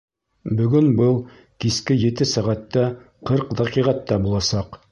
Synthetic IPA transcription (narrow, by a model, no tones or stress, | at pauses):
bɵ̆ɡɵnbɤlˠ | kiskɘjɘ̆t̪ɘsæʁɑt̪ːɑ | qɤɾqd̪ɑqiʁɑt̪ːɑbulˠɑsɑq